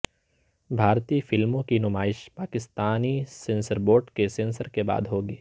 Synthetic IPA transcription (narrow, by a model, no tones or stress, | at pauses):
bʱaːɾt̪iːfɪlmõkinʊmaːɪʃpaːkɪst̪aːnisẽːnsəɾboːɾʈkesẽːnsəɾkeba̰ːd̪ɦoːɡiː